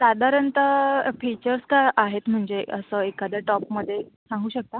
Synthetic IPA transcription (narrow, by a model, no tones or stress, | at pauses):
sad̪ʱaɾənt̪əfit͡ɕəɾskajʔaɦet̪m̤əɳd͡zeə̰səekad̪jaʈɔpməd̪ʱːje | sãŋɡuːɕək̚t̪a